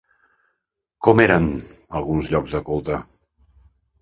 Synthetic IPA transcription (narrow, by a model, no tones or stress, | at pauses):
kɔmeɾənəlˠɣunzʎɔɡzðəkulˠt̪ə